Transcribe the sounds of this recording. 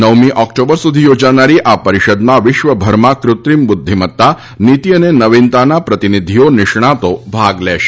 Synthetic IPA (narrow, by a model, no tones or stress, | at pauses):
nəʋmĩʔɔkʈobəɾsud̪ʱiːjod͡ʒañaɾiːʔapəɾiʃəd̪mãʋiʃʋəbʱəɾmakɾut̪ɾimbud̪ʱːimət̪ːa | nit̪iənenəʋint̪anapɾət̪inid̪ʱijoniʂɳ̃at̪obʱaɡlɛʃ